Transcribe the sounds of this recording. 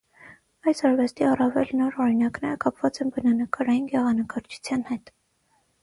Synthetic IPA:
ɑjsɑɾvɛst̪iɑrɑvɛlnɔɾɔɾinɑknɛɾəkɑpvɑt͡sɛnbənɑnəkɑɾɑjinɡɛʁɑnəkɑɾt͡ʃʰu̥t͡sʰjɑnhɛt̪

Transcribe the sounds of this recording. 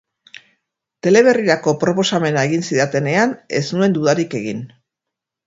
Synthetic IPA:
t̪e̞le̞βe̞riɾako̞pɾo̞po̞same̞naeɣinsiðat̪e̞ne̞ane̞snue̞nd̪uðaɾike̞ɣin

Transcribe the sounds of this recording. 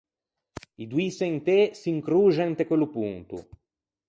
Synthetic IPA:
id̪uiseint̪esiŋkɾuːʒɛnt̪ekwelupunt̪ṵ

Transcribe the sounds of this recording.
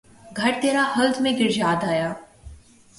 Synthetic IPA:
ɡʱɐɾt̪eːɾahəld̪mẽɡɪɾd͡ʒaːd̪aːjaː

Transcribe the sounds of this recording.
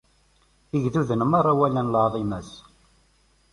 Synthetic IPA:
iʝðuðənəmɑɾˤæwælænlɑʕðˤimæs

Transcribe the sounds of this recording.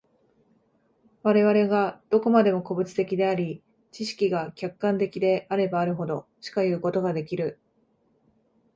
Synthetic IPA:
βaɾe̞β̞aɾe̞ɡad̪̥o̞ko̞mad̪e̞mo̞ko̞bɯ̟t͡sɨ̥t̪e̞kʲid̪e̞aɾʲi | t͡ɕiɕi̥kʲiɡakʲakːãnt̪e̞kʲid̪e̞ʔaɾe̞baːɾɯ̟ɦo̞d̪o̞ɕi̥kajɯ̟ːko̞t̪o̞ɡad̪e̞kʲiɾɯ̟

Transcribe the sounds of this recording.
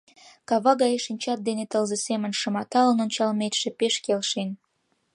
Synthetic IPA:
kɑβɑɣɑjeʃinʲt͡ɕɑt̪̚d̪enet̪əlzesemənʃə̆mɑt̪ɑlənonʲt͡ɕɑlmet̪ʃepeʃkelʃen

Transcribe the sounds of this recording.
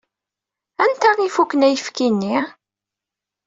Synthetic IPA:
ænt̪æʁifukːənæjəfkinːi

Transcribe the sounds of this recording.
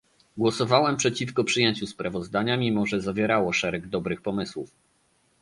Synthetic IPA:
ɡwɔsɔvawɛmpʂɛt͡ɕifkɔpʂɘjeɲt͡ɕuspɾavɔzd̪aɲamʲimɔʐɛzavʲjɛɾawɔʂɛɾɛɡd̪ɔbɾɘxpɔmɘswuf

